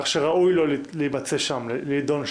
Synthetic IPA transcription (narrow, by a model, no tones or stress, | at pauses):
ʃeʁaujlolliibat͡se̞ʃamlid̪o̞nʃ